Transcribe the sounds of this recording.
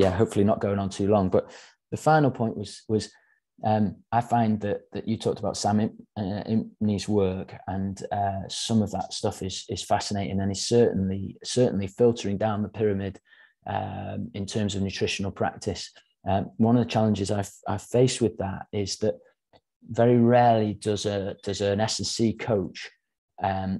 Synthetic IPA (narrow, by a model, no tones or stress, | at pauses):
jæɦoʊpfl̩ˠinəʔ̚ɡ̥oʊɪ̃ŋə̃ntʰʉlɒ̃ŋb̥ʌʔ | ðəfãɪ̃nl̩ˠpʰɔ̃ɪ̃nʔwɒz̥wɒz̥ | ʔʌ̃maɪfãɪ̃nðəʔðɨt͡ʃɨtʰɔˑk̚təbaʊtsãmɪɪ̃nizwɜˑ˞kə̃nʌsʌ̃məvðətstʌfɪz̥ɪz̥fasɪneɪtɪ̃ŋə̃nɪtsɜˑ˞ʔn̩lisɜˑʔn̩lifɪlˠtʰəɹɪ̃ŋdãʊ̃nðəpʰɪɹəmɪd | ʔʌ̰mɪ̃ntʰɜːmzəvnjʉtʰɹ̥ɪʃənəl̩ˠpʰɹ̥a̰k̚tʰɪs | ʔʌwʌ̃nəvðət͡ʃʰalˠɪ̃nd͡ʒɪzaɪa̰ɪfeɪswɪðətɪzðəʔ | vɛɹiɹɛːlidʌzəd̥ʌzə̃nɛsɛsiːkʰoʊt͡ʃ | ʌ̃m